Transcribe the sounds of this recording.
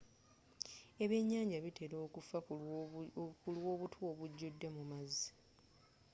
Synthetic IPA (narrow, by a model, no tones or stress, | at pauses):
eβe̞ɲːaːɲɟaβite̞ɾo̞ːkufa | kulwo̞ːβutʰwo̞βuɟːudːe̞mumazːi̥